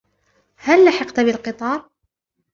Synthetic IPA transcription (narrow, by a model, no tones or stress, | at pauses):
hælːaħɑqt̪abɪlqɨt̪ˤɑːɾˤ